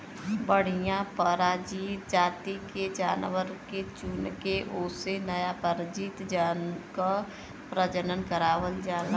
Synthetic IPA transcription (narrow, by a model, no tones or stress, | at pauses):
bəɽ̤ijãpəɾaːd͡ʒiːt̪d͡ʒaːt̪iked͡ʒaːnʋəɾket͡ʃʊnkeʔʊːsenəjapəɾd͡ʒiːt̪d͡ʒanka | pɾəd͡ʒənənkəɾaːʋəld͡ʒaːl